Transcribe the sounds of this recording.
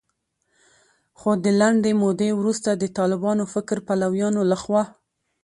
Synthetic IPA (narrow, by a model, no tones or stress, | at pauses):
xod̪əlaɳɖ̪emod̪ewɾust̪ad̪ət̪ɑlɪbɑnofɪkɾpalawjɑnolaxwɑ